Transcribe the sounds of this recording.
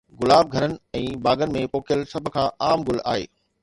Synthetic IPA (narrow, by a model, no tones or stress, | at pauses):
ɡʊlaːb̚ɡʱɐɾənɪ̆ɛ̃ːbaːɡənɪ̆mẽpoːkijəlsɐbʱʊ̆kʰãːʔaːmɡʊla̰ːɦḛː